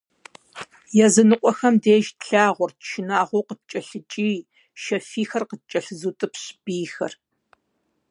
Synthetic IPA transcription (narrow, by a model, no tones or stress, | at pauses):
jɛzɨnɨqʷʼɔxɐmdeːʒtɬaːʁʷɔrtʃɪnaːʁʷoːqət̚t͡ʃʼɐɬɨt͡ʃʼiː | ʃɐfiːxɐrqət̚t͡ʃʼɐɬɨzuːtʼɨpɕb̥iːxɐ̰r